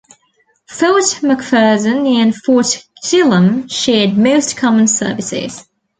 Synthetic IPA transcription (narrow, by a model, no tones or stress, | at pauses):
fɛlˠtməkfɜːzə̃nə̃nfɔˑtɪlˠə̃mʃɛːd̚məʊskʰɒmə̃nsɜ̰ːˑvɪsɪ̰z̥